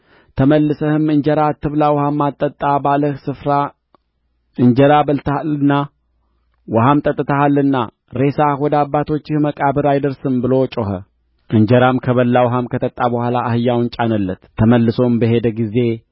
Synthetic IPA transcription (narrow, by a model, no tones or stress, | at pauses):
t̪ʰəməlːɨsəhɨmɨɲd͡ʒəɾat̪ːɨβlawhamːat̪ʼːət̪ʼːabaləhsɨfɾa | ʔɨɲd͡ʒəɾabəlt̪ʰalɨnːa | wɔɦamt̪ʼət̪ʼːɨt̪ʰəhalːɨnːa̰ | ɾe̞sawɔd̪abːat̪ʰo̞t͡ʃːɪhməkʼabɨɾajd̪əɾsɨmbɨlo̞t͡ʃʼoɦə̰ | ʔɨɲd͡ʒəɾamkʰəβəlːawɦamkʰət̪ʰət̪ʼːabəhʷalaːhɨjːawɨnt͡ʃʼanəlːət̪ʰːəməlːɨso̞mbəɦe̞d̪əɡize̞